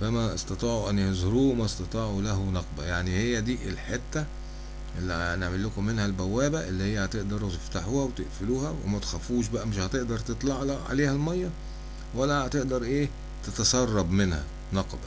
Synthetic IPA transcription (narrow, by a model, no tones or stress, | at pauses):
fæmæʔest̪ɑt̪ˤɑːʕuʔænːhezhoɾuːmæst̪ɑt̪ˤɑːʕulæɦunɑqbæjaʕnihejːæd̪iːʔelħet̪ːæ | ʔelːineʕmelːokomːenhælbæwːæːbæʔelːihejːæhæt̪eʔd̪ɑɾˤut̪eft̪aħuːhæwet̪eʔfeluːhæwḛmæt̪e̥xæfuːʃ̬bæʔæmeʃhæt̪eʔd̪ɑɾˤt̪et̪ˤlɑʕlɑʕa̰leːhælmɑjːɑ | wælːæhæt̪eʔd̪ɑɾˤʔeː | t̪et̪ɑsɑrˤːɑbmenhæ̰ | nɑqbæ